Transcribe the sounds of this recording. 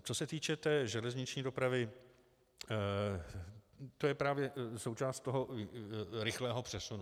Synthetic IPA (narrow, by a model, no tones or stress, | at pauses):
t͡so̞sɛt̪iːt͡ʃɛt̪ɛːʒɛlɛzɲɪt͡ʃɲiːdo̞pɾavɪ | t̪o̞jɛpɾaːvjɛso̞wt͡ʃaːst̪t̪oɦo | ɾɪxlɛːɦo̞pr̥ɛsunu